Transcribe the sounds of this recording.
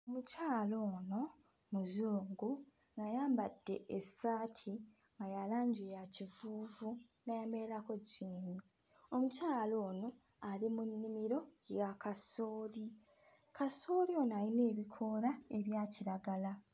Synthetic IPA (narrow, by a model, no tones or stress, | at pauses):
omucaːlo̞ːno̞ | muzuːŋɡu | najaːmbadːe̞̰ʔesaːtʰi | ŋɡajalaːɲɟejacivuːvu | najameɾako̞ɟiːni | o̞mucaːlo̞ːno̞ | alimunːimiɾo̞jakaso̞ːli | kaso̞ːlio̞naɾine̞ːβikʰo̞ɾae̞βjaːciɾaɡala